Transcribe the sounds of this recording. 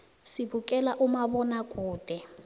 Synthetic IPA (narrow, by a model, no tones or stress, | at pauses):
sibukʼɛlaʔumabɔnakʼuːd̥ʱɛ